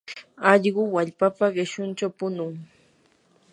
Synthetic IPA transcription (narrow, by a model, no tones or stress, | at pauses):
ɑʎɢʊwaʎpapaɢɪʃʊnt͡ʃawpʊnʊŋ